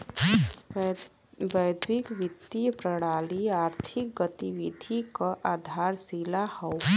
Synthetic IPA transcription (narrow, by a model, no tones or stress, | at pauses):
bəjd̪ʱwɪkʋɪt̪ːijpɾəɽ̃aːliaːɾt̪ʰɪk̚ɡət̪iʋɪd̪ʱikaʔaːd̪ʱaːɾsilahɛ